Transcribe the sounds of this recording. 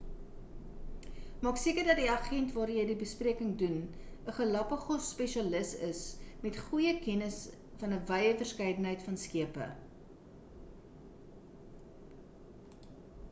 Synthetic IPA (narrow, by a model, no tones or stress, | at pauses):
mɑːksiəkərdɐt̚diɐχɛntvɑːrjəjdibəspriəkəŋdun | əχəlɐpəχɔsːpɛʃɐləsəsmɛtχujəkɛnəs | fɐnəvɐjəfərskɐjdənɦəjtfɐnskiəpə̰